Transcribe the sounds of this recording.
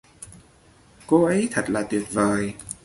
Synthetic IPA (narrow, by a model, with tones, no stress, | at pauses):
ko˧ʔə˨˦jt̪ʰə˨˩t̚laː˨˩t̪wi˨˩ət̚vəː˨˩j